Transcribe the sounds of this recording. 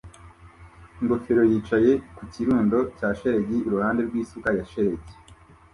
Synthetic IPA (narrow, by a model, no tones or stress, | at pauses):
iŋɡo̞feɾo̞jiːt͡ʃaje̞kuciɾuːndo̞caːʃe̞ɾe̞ɟiːɾuhaːnde̞ɾɡwiːsukajaʃe̞ɾeɟi